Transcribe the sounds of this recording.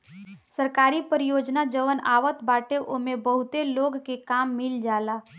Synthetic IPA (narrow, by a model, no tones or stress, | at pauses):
səɾkaːɾipəɾijoːd͡ʒnad͡ʒəʋəna̰ːʋət̪baːʈeʔoːmẽbəɦʊt̪eloːɡkekaːmːɪld͡ʒaːlaː